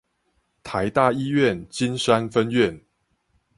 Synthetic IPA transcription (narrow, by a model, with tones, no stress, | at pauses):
t̪ʰa˨˦ɪt̪a˥˨i˥˦ɥɛ˥˨nt͡ɕi˦nʂa˦nfə˦nɥɛ˥˨n